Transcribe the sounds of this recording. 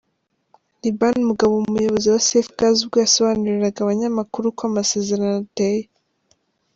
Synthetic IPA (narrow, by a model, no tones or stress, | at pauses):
libanmuɡaβoumujo̞βo̞ziwasefɡazubɡojaso̞βaːnuɾiɾaɡaβaɲamakuɾukwamase̞ze̞ɾanoteje